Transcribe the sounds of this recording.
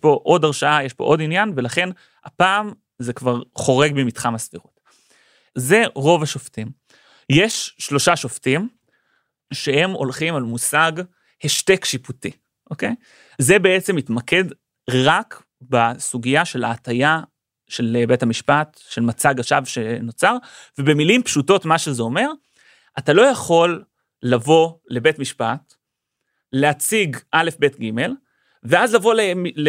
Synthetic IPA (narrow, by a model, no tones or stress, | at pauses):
po̞ʔo̞daʁʃaajeʃpo̞̰ʔo̞dinjanve̞laχe̞n | ha̰paːm | zekvaʁχo̞ʁe̞ɡbemitχamasfiʁot | ze̞ʁo̞vaʃoftim | jeʃːlo̞ʃaʃoftim | ʃehemo̞̰lχimalmusaɡ | heʃtekʃiputi | ʔoke̞j | ze̞beet͡semitmake̞d | ʁak | basuɡijaʃe̞la̰ːtaja | ʃelbe̞thamiʃpat | ʃe̞lmat͡saɡaʃavʃe̞not͡saʁvebe̞milimpʃuto̞tmaʃe̞zeo̞me̞ʁ | ʔatalo̞jaχo̞lː | avo̞le̞be̞tmiʃpat | leat͡siɡʔale̞fbe̞tɡime̞l | veazlavo̞lemil